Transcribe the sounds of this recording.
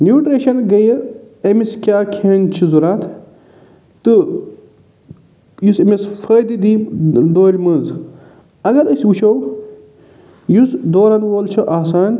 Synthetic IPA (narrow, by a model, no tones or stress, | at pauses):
njuːʈɾeʃɐnɡɐjɐ | ɐmiskʲaːkʰeːnt͡ʃʰizuɾaːt̪ʰ | t̪ɨ | jusemesfʰɐːd̪id̪id̪oːɾʲmɐz | ɐɡɐɾɐsʲʋuʃʰow | jusd̪oːɾɐnʋoːlt͡ʃʰɐʔaːsaːn